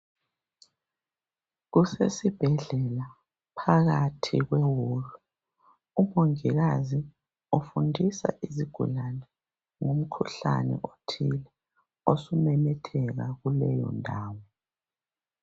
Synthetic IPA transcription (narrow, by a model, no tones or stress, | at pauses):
ɣusesib̥ʱɛɮɛla | pʰaɣatʰḭɣwɛwoːlɔ | umoŋiɣazi | ofundʱisa̰ʔiziɡ̥ʱṵlanɛ | ŋum̩kʰuɬa̰nɛ̰ʔotʰilɛ | osumɛmɛtʰɛɣaɣulɛjɔ̰ndʱaːwɔ